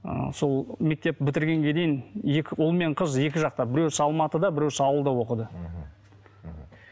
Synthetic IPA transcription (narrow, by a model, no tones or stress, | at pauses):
ə̰so̞lˠme̞k̚t̪e̞p̚bɪt̪ɪɾɡʲe̞ŋɡʲe̞d̪e̞jɪnekʲʊlˠme̞ɴqʰəzje̞kʲɪʒɑq̚t̪ɑbɪɾe̞wsɑlˠmɑt̪əd̪ɑbɪɾewsɑwəlˠd̪ɑwo̞qəd̪ə